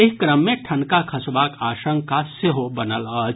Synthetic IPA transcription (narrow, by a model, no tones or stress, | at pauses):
ɪɦkɾəmːẽʈʰɐ̃nkakʰɐsbaːkaːʃə̃ŋkaseɦobɐnələːd͡ʒ